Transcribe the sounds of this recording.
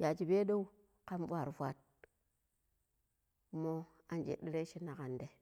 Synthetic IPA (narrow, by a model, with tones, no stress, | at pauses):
ja˨t͡ʃi˨be˦do˦u˦ | ka˦mfa˨ɾfʷa̰˦˨t̚ | mo˦ | a˨nd͡ʒḛ˨di˦ɾe˦ʃi˦na˨ka˨nde˨